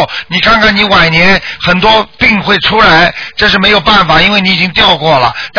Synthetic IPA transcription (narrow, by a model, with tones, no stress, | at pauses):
ni˨˩kɑ˥ŋkʰɑ˥ŋni˧˥wa˨˩njɛ˧˥nxə˨˩nt̪wɔ˥pi˥˧ŋxwe˥˩ɪʈ͡ʂʰu˥la˧˥ɪʈ͡ʂɤ˥˧ʂ̬ɻ̩˥˩me˧˥ɪjo˨˩ʊpa˥˩nfa˨˩i˥nwe˥˩ɪni˥i˨t͡ɕi˥ŋt̪jɑ˥˧ʊkwɔ˥˩lə̰˩t̪